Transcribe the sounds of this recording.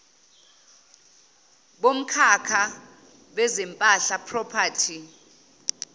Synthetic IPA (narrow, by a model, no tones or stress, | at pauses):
ɓom̩kʰakʰa | ɓɛzɛmpʼaɬapʰrɔpʰatʰi